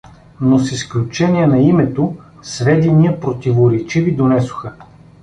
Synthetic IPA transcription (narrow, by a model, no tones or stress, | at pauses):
nosisklʲut͡ʃɛniənɐimɛt̪o | svɛd̪ɛnijɐpɾot̪ivoɾɛt͡ʃivid̪onɛsʊ̥xə